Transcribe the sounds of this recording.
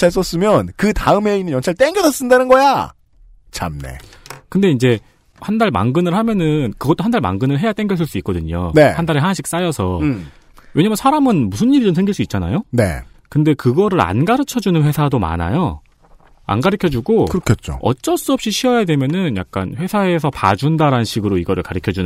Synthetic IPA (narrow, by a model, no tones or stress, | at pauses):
aɭs͈ʌs͈ɯmjʌnkɯtaɯme̞inːɯnjʌnt͡ɕʰaɭt͈eŋɡjʌdʰʌs͈ɯndanɯnɡʌja | t͡ɕʰa̰mne̞̰ | kɯnde̞ind͡ʑe̞ | handaɭma̰ŋɡɯnɯɭɦhamjʌnɯnkɯɡʌt͈oɦandaɭma̰ŋɡɯnɯɭɦe̞jat͈eŋɡjʌs̬͈ʰɯɭs͈uik͈ʌdɯɲo̰nehandaɾeɦanaɕʰik̚s͈ajʌsʰʌ | we̞ɲamjnsʰaɾamɯnmusʰɯɲːiɾid͡ʑomsʰe̞ŋɡiɭs͈uit̚t͡ɕ͈ana̰jone̞̰ | kɯnde̞kɯɡʌɾɯɾa̰nɡaɾɯt͡ɕʰʌd͡ʑunɯnɸwe̞sʰadoma̰na̰jo | a̰nɡaɾɯkʰjʌd͡ʑuɡokɯɾʌkʰet̚t͡ɕ͈o̰ʌ̰t͡ɕ͈ʌs͈uʌp̚ɕ͈iɕʰiʌjadwe̞mjʌnɯnja̰k̚k͈a̰nɸwe̞sʰae̞sʰʌpa̰d͡ʑundaɾanɯnɕʰiɡɯɾoiɡʌɾɯɭkaɾikʰjʌd͡ʑun